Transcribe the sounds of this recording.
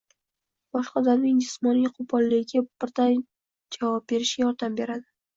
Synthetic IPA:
b̥ɒʃqɑd̪aɾnɪŋd͡ʒɪsmɒnijqʰʊpʰɒlːɪɡʲab̥ɪɾd̪an | d͡ʒavɒb̚be̞ɾɪʃɡʲajɒɾd̪ambe̞ɾad̪ɪ

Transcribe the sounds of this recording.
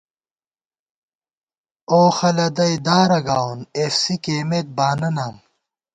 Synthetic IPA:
oːxɐlɐd̪ɐjd̪aːɾɐɡaːwnefsikeːmet̪̚baːnɐnaːm

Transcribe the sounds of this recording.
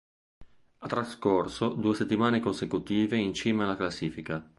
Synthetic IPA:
at̪ːɾaskorsod̪uːeset̪ːimaːnekonsekut̪iːveint͡ʃiːmealːaklasːiːfika

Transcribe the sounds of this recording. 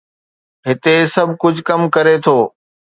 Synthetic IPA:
ɦɪt̪esɐbʱkʊd͡ʑʱkɐmkɐɾet̪ʰoː

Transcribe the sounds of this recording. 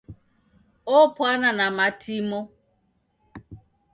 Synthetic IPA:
opʊananamatʰimo

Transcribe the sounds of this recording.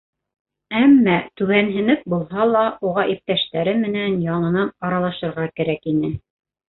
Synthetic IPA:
æmːæt̪ʉβænɦɘ̆nɘp̚bulˠɦɑlˠɑʔuʁɑʔip̚t̪æʃt̪æɾɘmɘ̆nænjɑɴɤ̆nɑnɑɾɑlˠɑʃɤ̆ɾʁɑkæɾækinɘ

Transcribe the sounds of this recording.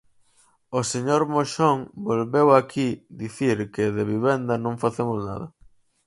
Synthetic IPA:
oseɲoɾmoʃoŋbolβewakʰid̪iθiɾkeðeβiβend̪ɐnõŋfaθemʊzna̰ðɐ

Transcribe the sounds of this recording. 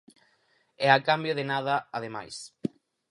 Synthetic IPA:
ɛakambjoðenað̞aaðema̰js

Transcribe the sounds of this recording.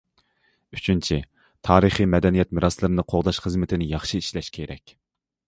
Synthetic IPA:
yt͡ʃʰynt͡ʃʰi | t̪ʰɑːɾɨχimɛd̪ɛnijɛt̪mɨɾʔɑslˠɨɾɨnɨqʰoʁd̪ɑʃχəzmɪt̪ʰɪnɪjɑχʃiiʃlɛʃkʲʰeɾɛ̰kʲ

